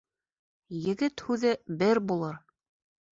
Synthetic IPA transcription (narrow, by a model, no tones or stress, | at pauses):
jɘ̆ɡɘt̪hʉðɘbɘɾbulˠɤɾ